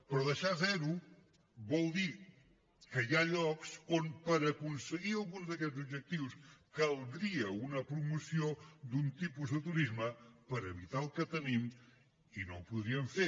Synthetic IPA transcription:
pɾɔðɐʃazɛɾu | βowd̪iɾ | kɐʒaʎɔɣsõnpɐɾɐkũnsɨɣiɾalˠɣũnzðɐkeʎtzuβʒɛk̚t̪iwuskɐlˠðɾiɐunɐpɾumusjõd̪ũnt̪ipuzðɨt̪uɾizmɐpɐɾɐeβit̪aɾlˠkɐt̪ɐnĩn | inɐ̰̃w̃puðɾiɐ̃nfe

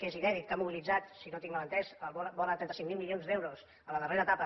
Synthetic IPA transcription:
kezinɛðik̚ːamuβilid͡zat̪sinot̪iŋlələnt̪ɛzəlββɔlət̪ɾɛnt̪əsiŋmilˠmilionzd̪ewɾos | ələðəreɾəːt̪apə

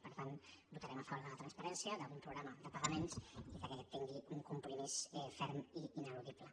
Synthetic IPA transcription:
pəɾt̪anbut̪aɾɛmafɔɾəət̪ɾənspəɾɛnsiəðəumpɾuɣɾaməðəpəɣəmensiðəkɛɛtt̪ːiŋɡiuŋkumpɾumisɛfɛɾmiinəluðiplə

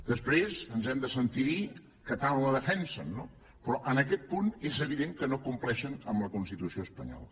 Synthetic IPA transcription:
d̪əspɾezənzɛmd̪əsənt̪iɾi | kət̪aβənləðəfɛnsəno | pɾɔʔənəkɛt̪̚punezəβ̞iðeŋkənokumplɛʃənəmləkunst̪it̪usioəspəɲɔ̰lə

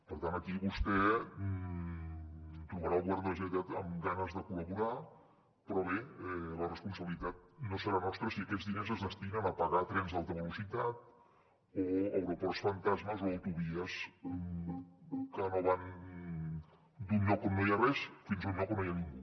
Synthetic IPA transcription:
pəɾt̪anəkiβust̪ɛ | t̪ɾuβəɾalˠβwaɾðələʒənit̪at̪əmɡanəzðəkuləβuɾa | pɾɔβeɛlərəspunsəβilit̪at̪̚nosəɾamɔst̪ɾəsiəkɛt̪zðinɛzəzðəst̪inənəpəɣat̪ɾɛnzðalˠt̪əβəlusit̪at̪̚ | oəwɾupɔrsfənt̪azməzoəwt̪uβiəsm | kənoβan | d̪unːɔkomnːojarɛsfinzunːɔkənojaniŋɡu

